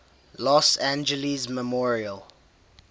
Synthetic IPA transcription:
lɔsæ̃nd͡ʒəlizməmɔɹiəl

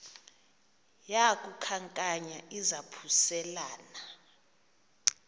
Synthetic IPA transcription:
jakʼukʰaŋkʼaɲaizapʰusɛlaːna

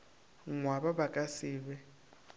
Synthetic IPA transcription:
ŋwaβaβakʼasiːβɛ

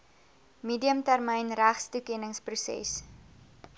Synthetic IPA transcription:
miːdiəmtærmɛjnræχstukɛnəŋsprusɛ̰s

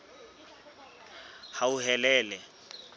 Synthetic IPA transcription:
hauhɛlɛːlɛ

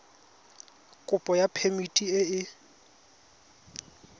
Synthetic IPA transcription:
kʼʊpʼɔjapʰemitʼiɪɪ

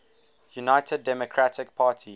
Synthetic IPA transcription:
junaɪtədːɛmɔkʰɹatʰɪkpʰaːtʰi

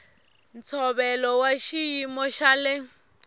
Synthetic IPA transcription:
nt͡sʰɔβɛlɔwaʃijimɔʃalɪ

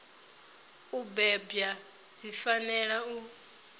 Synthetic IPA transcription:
ubɛbja | d͡zifanɛɺau

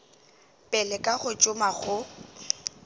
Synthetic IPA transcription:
pʼɛlɛkʼaɣʊt͡ʃʼʊmaχʊ

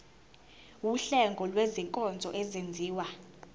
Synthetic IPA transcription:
wuɬɛŋɡʱɔlweziŋkʼɔnd͡zʱɔʔɛzend͡zʱiːwa

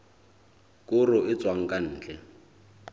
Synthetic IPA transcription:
kʼʊrʊɪt͡sʼwaŋ̩kʼan̩ːt͡ɬɛ

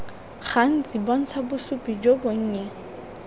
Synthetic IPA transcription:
χan̩t͡sibɔn̩t͡sʰabʊsupʼid͡ʒoboŋ̩ːɲɛ

